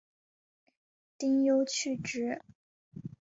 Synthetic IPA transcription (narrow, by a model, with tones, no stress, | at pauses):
t̪i˥ŋjo˥ʊt͡ɕʰy˥˩ʈ͡ʂɻ̩˥